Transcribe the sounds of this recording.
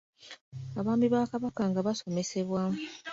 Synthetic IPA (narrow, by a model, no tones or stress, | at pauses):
aβaːmbiβaːkaβakaŋɡaβaso̞me̞se̞βwamu